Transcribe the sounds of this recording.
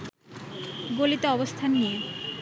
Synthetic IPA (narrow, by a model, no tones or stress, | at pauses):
ɡolit̪oɔbost̪ʰanːije